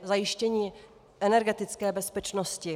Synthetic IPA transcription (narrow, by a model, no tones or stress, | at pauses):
zajɪʃcɛɲiː | ʔɛnɛɾɡɛt̪ɪt͡skɛːbɛspɛt͡ʃnoscɪ